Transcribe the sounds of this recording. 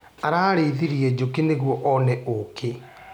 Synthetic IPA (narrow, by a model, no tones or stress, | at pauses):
aɾaːɾeðiɾiɛd͡ʑokeneɣwɔʔɔnɛʔokʰe